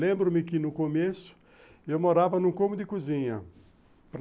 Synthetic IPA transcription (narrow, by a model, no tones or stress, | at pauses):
lẽmbɾʊmɪkɪnʊkomesʊ̥ | ewmoɾavɐnũkõmʊd̪ɪkuzĩɲɐ | pɾ